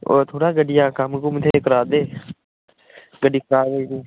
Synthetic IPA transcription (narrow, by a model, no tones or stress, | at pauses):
o̰ɾt̪ʰoːɽaːɡəɖɪjaːkəmkumt̪ʰekəɾaːd̪eː | ɡəɖiːkəɾaːɡəiːd̪iː